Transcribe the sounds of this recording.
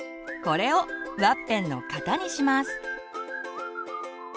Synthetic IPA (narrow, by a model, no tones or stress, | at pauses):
ko̞ɾe̞oβapːẽ̞nːo̞̰kat̪aɲ̟iɕimasɨ̥